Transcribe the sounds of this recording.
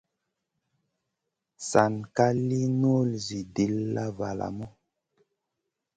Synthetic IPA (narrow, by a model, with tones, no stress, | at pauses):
sa˨nka˦li˦no˦˨lzi˨di˨˦lːa˦va˨la̰˨mɔ˦